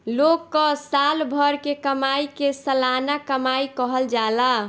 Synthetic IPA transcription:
lokːəsalbʱəɾkekəmaikesəlanakəmaikəɦəld͡ʒala

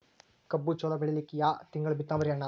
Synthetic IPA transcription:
kɐbːut͡ʃoːlɐɡɐɭilikːijaːt̪iŋɡɐɭbit̪ːaːmɐɾijɐnːa

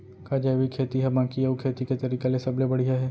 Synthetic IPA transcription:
kaːd͡ʒaːʋikʰeːt̪iɦɛbãːkiɐukʰeːt̪iket̪ɐɾiːkelesɐblebɐɽ̤iɦaɦɛː

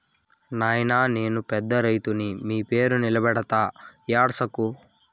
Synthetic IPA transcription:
naːjnaːne̞ːnupɛd̪ːɐɾɐjt̪unimiːpe̞ːɾunilɐbɛɽɐt̪aːjaːɽsɐku

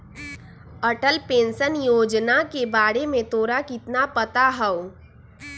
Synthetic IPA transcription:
əʈəlpẽːnsənjoːd͡ʒnakebaːɽemẽt̪oːɾakɪt̪napət̪aɦɛo

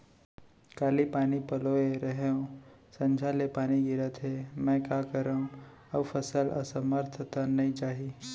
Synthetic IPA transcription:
kaːlipaːnipɐloeɾəɦeõsɐ̃nd͡ʒʱalepaːniɡiɾət̪ʰɦemɛ̃ːkaːkəɾaũ | əʋpʰəsəlʔə̰səməɾt̪ʰət̪anɐĩt͡ʃaːɦi

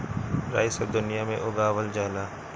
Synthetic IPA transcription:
ɾa̰ːɪsəʋd̪ʊnijamḛ̃ʔʊɡaːʋəld͡ʒaːlaː

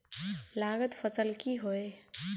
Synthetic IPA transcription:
laɡət̪pʰəsəlkiɦoe

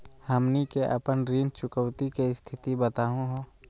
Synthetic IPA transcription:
həmnikeʔə̰pənɾiːnt͡ʃʊkəwt̪ikest̪ʰɪt̪ibət̪aːɦũɦoː

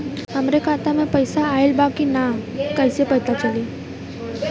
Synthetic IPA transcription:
amɾekat̪amẽpəjsaːelbakinakajsepəjt̪at͡sali

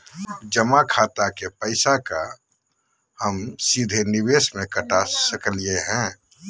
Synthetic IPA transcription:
d͡ʒəmakʰaːt̪akepəɪsaka̰ | həmsid̪ʱeniweːsmẽkəʈasəkəlijeɦɛ̃

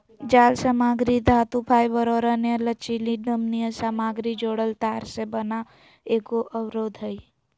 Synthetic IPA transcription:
d͡ʒaːlsəmaːɡɾid̪ʱaːt̪upʰaːjbəɾoːɾanjələt͡ʃiliɖəmnijəsaːmaːɡɾid͡ʒoːɽəlt̪aːɾsebəna | eːɡoʔəwɾoːd̪ʱɦəi

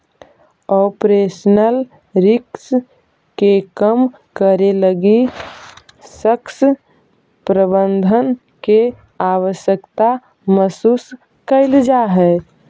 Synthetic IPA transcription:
ɔːpɾeːsnəl | ɾɪks | kekəm | kəɾeləɡi | səks | pɾəbənd̪ʱən | ke | aːʋəʃjəkt̪a | məsuːs | kəɪld͡ʒaɦɛ

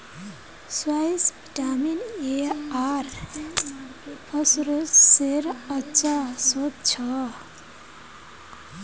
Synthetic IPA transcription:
swajsbiʈamineaɾ | pʰʌsɾoseɾʌt͡ʃasot̪̚t͡ʃʰʌ

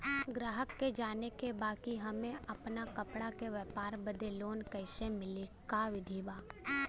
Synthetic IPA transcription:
ɡɾaːɦəkːed͡ʒaːnekebaːkiɦɐmẽʔɐpnakɐpɽakeʋɛːpaːɾbəd̪eloːnkɛɪsemɪlikaʋɪd̪ʱiːbaː

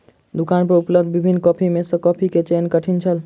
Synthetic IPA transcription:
d̪ukanpəɾupləb̚d̪ʱbibʱinːkɔpʰimesə̃kɔpʰiket͡ʃenkəʈʰint͡ʃʰəl

